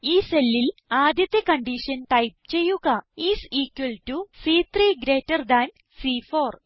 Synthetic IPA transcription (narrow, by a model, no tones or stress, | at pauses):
iːselːilaːd̪ʱjɐt̪ːjɐkɐɳɖiʂɐnʈɐjp̚t͡ɕe̞jːuɣɐiːsiːkwɐlʈusiːt̪ʰriːɡɾe̞ːtːɐrd̪ɐn | siːfoːr